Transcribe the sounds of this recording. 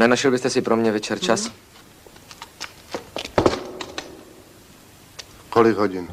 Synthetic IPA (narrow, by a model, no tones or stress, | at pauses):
nɛnaʃɛlbɪst̪ɛsɪpɾomɲɛvɛt͡ʃɛɾt͡ʃas | kolɪɡɦoɟɪn